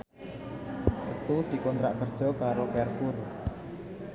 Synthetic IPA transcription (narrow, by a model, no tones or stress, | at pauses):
sət̪ud̪̥i̤kɔnt̪ɾaʔkərd̥ʒ̥ɔ̤kaɾokɛrkur